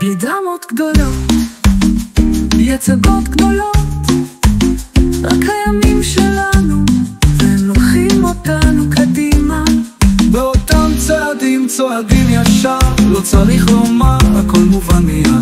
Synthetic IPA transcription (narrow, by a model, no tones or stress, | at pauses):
bid̪amo̞t̪ɡd̪o̞lo̞t | bjet͡saɡo̞t̪ɡd̪o̞lo̞t | ʁa̰khajamimʃelanuveloχimo̞tanukʰad̪imabeotamt͡saad̪imt͡soadimjaʃaʁlot͡saʁiχlomaʁa̰ko̞lmuvani